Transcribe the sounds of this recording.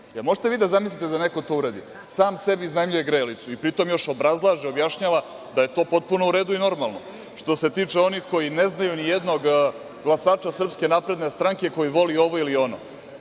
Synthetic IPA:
emo̞ʒt̪eʋiːd̪azamislʲit̪ed̪ane̞ko̞t̪o̞ːuɾad̪ḭ | saːmse̞biznajmʎuje̞ɡɾeːlit̪suipɾit̪o̞mjo̞ʃo̞bɾazlˠaːʒeo̞bjaʃɲaːʋa | d̪aje̞t̪o̞ːpo̞t̪̚puno̞uɾeːd̪uino̞ɾmalˠno̞ | ʂt̪o̞se̞t̪iːt͡ʂeo̞nixko̞jineznajunijed̪no̞ɡ | ɡlˠasaːt͡ʃasr̩pske̞napɾe̞d̪ne̞st̪ɾaŋke̞ko̞jiʋo̞lio̞ʋo̞ilio̞no̰

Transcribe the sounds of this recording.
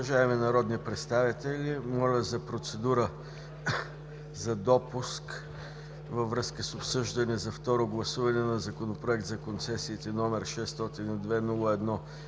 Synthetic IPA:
ɐʒaɛmɛnɐɾɔd̪nipɾɛt̪st̪avit̪ɛlʲimɔlʲəzɐpɾot̪sɛd̪uɾə | zɐd̪ɔpusk | vəvɾɤskəsopsɤʒd̪ɐnɛzɐft̪ɔɾoɡlˠɐsuvɐnɛnɐzɐkonopɾoɛk̚t̪zɐkont̪sɛsiːt̪ɛnɔmɛɾʃɛst̪ɔt̪inid̪vɛnulˠəɛd̪nɔ

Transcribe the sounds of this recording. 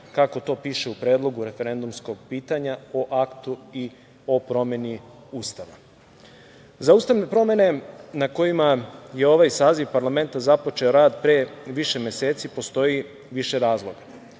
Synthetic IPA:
kako̞t̪o̞ːpiːʃeupɾe̞ːd̪lˠo̞ɡuɾe̞fe̞ɾe̞nd̪umsko̞ɡpiːt̪aɲao̞ʔakt̪ui | o̞pɾo̞me̞ni | uːst̪aʋa̰ | zauːst̪aʋne̞pɾo̞me̞ne̞nako̞jimaje̞o̞ʋajsaːziʋpaɾlˠame̞nt̪azapo̞t͡ʃe̞oɾaːd̪pɾeʋiʃe̞mjeseːt̪sipo̞st̪o̞ji | ʋiʃe̞ɾaːzlˠo̞ɡa

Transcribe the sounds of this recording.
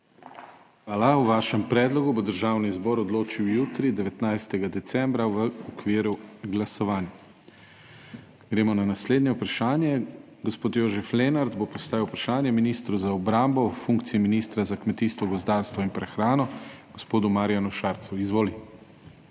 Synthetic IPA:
xʋaːlawʋaːʃɛmpɾɛːd̪lɔɡubod̪əɾʒaːwnizbɔɾɔd̪loːt͡ʃiwjuːt̪ɾid̪ɛʋɛt̪najst̪ɛɡad̪ɛt̪sɛmbɾaʋəɔkʋiːɾuɡlasɔʋaːnja | ɡ̥ɾeːmɔnanasleːd̪njɛupɾaʃaːnjɛ | ɡɔspoːt̪joːʒɛflenaɾd̪bopɔst̪aːʋiwpɾaʃaːnjɛminiːst̪ɾuzaɔbɾaːmbɔfuŋk̚t̪siiminist̪ɾazakmɛt̪iːst̪ʋɔɡɔzd̪aːɾst̪ʋɔinpɾɛxɾaːnɔɡ̥ɔspoːd̪umaɾijanuʃaːɾt̪suizʋoːli

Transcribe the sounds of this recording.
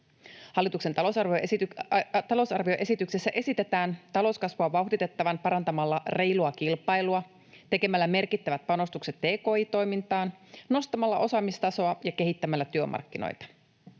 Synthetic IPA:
hɑlːit̪ukset̪ɑlo̞sɑrʋio | t̪ɑlo̞sɑrʋio̞ʔe̞sit̪ykse̞sːæʔe̞sit̪e̞t̪æːnt̪ɑlo̞skɑsʋuɑʋɑuhdit̪e̞t̪ːɑʋɑnpɑɾɑnt̪ɑmɑlːɑre̞jluɑkilpɑjluɑ | t̪e̞ke̞mælːæme̞rkit̪ːæʋæt̪̚pɑno̞st̪ukse̞t̪de̞ːko̞ːiːt̪o̞jmint̪ɑːnno̞st̪ɑmɑlːɑʔo̞sɑmist̪ɑso̞ɑjɑke̞ɦit̪ːæmælːæt̪yømʔɑ̰rkːino̰jt̪ɑ̥

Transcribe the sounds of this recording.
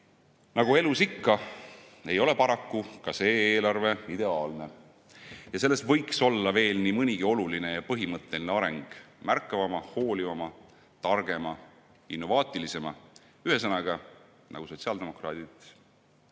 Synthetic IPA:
nɑɡ̥ue̞lusikːɑ | e̞jo̞le̞pɑɾɑkːukɑse̞ːeːlɑrve̞id̪e̞ɑːlne̞ | jɑse̞lːestvɤjkso̞lːɑve̞ːlnimɤnʲiɡ̥io̞luline̞jɑpɤɦimɤt̪ˑːe̞lineɑɾe̞ŋɡ̥mærkˑːɑvɑmɑho̞ːlivɑmɑ | t̪ɑrɡ̥e̞mɑ | inːo̞vɑːt̪ʲˑilise̞mɑ̰ | yhe̞s̬ɑnɑɡ̥ɑ | nɑ̰ɡ̥uso̞t̪siɑld̪̥e̞mo̞krɑːt̪it̪ˑ

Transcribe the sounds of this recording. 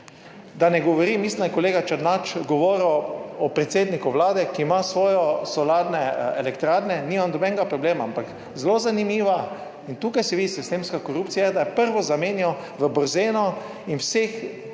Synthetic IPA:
d̪anɛɡɔʋɔɾimisnakɔleːɡat͡ʃɛd̪nat͡ʃɡɔʋɔːɾɛɔpɾɛt̪seːd̪nikuʋlaːd̪ɛkiːmasʋɔːjɔsɔlaːd̪nɛɛlɛkt̪ɾaːdnɛniːmamd̪ɔbɛnɡapɾɔbleːmaampak | zelozanimiːʋa | int̪uːkajsiʋid̪isist̪emskakɔɾupt̪sijad̪ajɛpəɾʋɔzameːnjɔ | ʋəbɔɾzeːnɔ | inwsex

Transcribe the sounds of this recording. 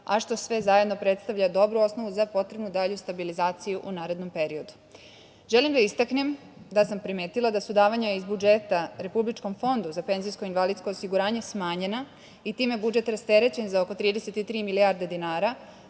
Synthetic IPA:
aʃt̪o̞sʋe̞zajed̪no̞pɾe̞t̪st̪aʋʎad̪o̞bɾuo̞sno̞ʋuzapo̞t̪ɾe̞bnud̪aʎust̪abilizaːt̪sijuʔunaːɾe̞d̪no̞mpe̞ɾio̞d̪u | ʒelimd̪aist̪akne̞m | d̪asampɾimeːt̪ilˠad̪asud̪aːʋaɲaizbud͡ʒe̞t̪aɾe̞publit͡ʃko̞mfo̞nd̪uzape̞nzijskoinʋalid̪sko̞osiɡuɾaːɲesmaːɲe̞na | it̪iːmje̞bud͡ʒe̞t̪ɾast̪e̞ɾe̞t͡ɕe̞nzaoko̞t̪ɾiːd̪e̞set̪it̪ɾiːmiliaɾd̪ed̪inaːɾa

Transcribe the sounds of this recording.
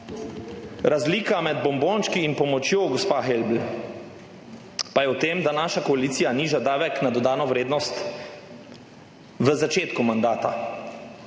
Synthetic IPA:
ɾazliːkamɛd̪bɔmboːnʃkiːnpɔmɔt͡ʃjoːɡospaːxelbl̩ | pajɛwt̪eːmd̪anaːʃakɔaliːt̪sijaniːʒad̪aːʋɛknad̪ɔd̪aːnɔʋɾeːd̪nɔst̪ | ʋəzat͡ʃeːt̪kumand̪aːt̪a

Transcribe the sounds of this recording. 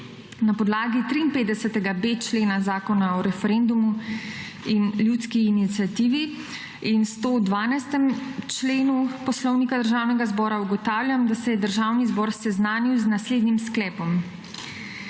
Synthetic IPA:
napɔd̪laːɡit̪ɾiːnpeːt̪d̪ɛsɛt̪ɛɡabet͡ʃleːnazaːkɔnaɔɾɛfɛɾɛnd̪umu | inljut̪skiːnit̪sijat̪iːʋi | inst̪oːd̪ʋaːnajst̪ɛmt͡ʃleːnupɔslɔwnikad̪əɾʒaːwnɛɡazbɔːɾauɡɔt̪aːwlʲjʲamd̪asɛjɛd̪əɾʒaːwnizbɔːɾsɛznaːniwznasleːd̪nimsklɛːpɔm

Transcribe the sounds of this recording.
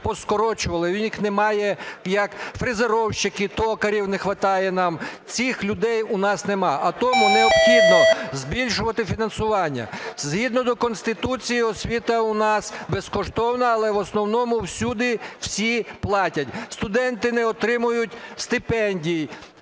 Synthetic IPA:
pɔskɔɾɔt͡ʃʊʋɐlˠɪnʲixnɛmɑjɛjɐkfɾɪzeɾɔwʃt͡ʃɪkɪt̪ɔkɐɾʲiwnɛxʋɐt̪ɑjɛnɑmt͡sʲixlʲʊd̪ɛjʊnɑsnemɑʔɐt̪ɔmʊneɔbxʲid̪nɔzbʲilʲʃʊʋɐt̪ɪfʲinɐnsʊʋɑnʲːɐ̰zɦid̪nɔd̪ɔkɔnst̪ɪt̪ut͡sʲijiɔsʲʋʲit̪ɐʊnɑsbeskɔʃt̪ɔwnɐːlˠɛʋɔsnɔwnɔmʊwsʲud̪ɪw̥sʲiplˠɑtʲɐtʲst̪ʊd̪ɛnt̪ɪnɛɔt̪ɾɪmʊjʊtʲst̪ɪpɛnʲdʲij

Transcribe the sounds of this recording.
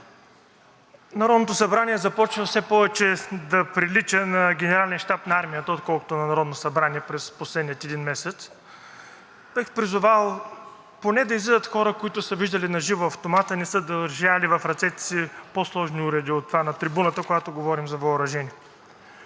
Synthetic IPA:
nɐɾɔd̪not̪osɐbɾaniɛzɐpɔt͡ʃvəfsɛpɔvɛt͡ʃɛd̪ɐpɾilit͡ʃənɐɡʲɛnɛɾalʲɛnʃt̪apnɐaɾmijət̪əot̪̚kɔlˠkʊ̥t̪onɐnɐɾɔd̪nosɐbɾaniɛpɾɛsposlɛd̪nijət̪ɛd̪inmɛsɛt̪s | bɛxpɾizʊvalˠ | ponɛd̪ɐizlid̪ət̪xɔɾəkoit̪ʊsəviʒd̪ɐlinɐʒivoɐft̪omat̪ɐinɛsɤd̪ɐʒalivɐfɾɐt̪sɛt̪ɛ̥siposlˠɔʒniuɾɛd̪iot̪ːovanɐt̪ɾibunət̪əkoɡat̪oɡovɔɾimzɐvɐʊɾɐʒɛniɛ

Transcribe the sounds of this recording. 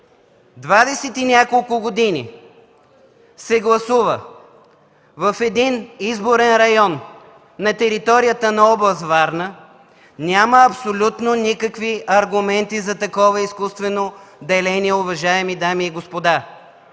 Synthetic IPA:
d̪vad̪ɛsɛt̪inʲakolˠkʊɡod̪inḭ | sɛɡlˠɐsuvə | vɐfɛd̪inizboɾɛnɾɐjɔnː | ɐt̪ɛɾit̪ɔɾijət̪ənɐɔblˠɐzvaɾnə | nʲaməɐpsolʲut̪nonikəkviɐɾɡʊmɛnt̪izɐt̪ɐkɔvəiskust̪vɛnod̪ɛlɛniɛʊvɐʒaɛmid̪amiːɡospod̪a

